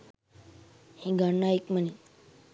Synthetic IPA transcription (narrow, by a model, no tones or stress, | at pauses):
hĩɡaɳːaikməni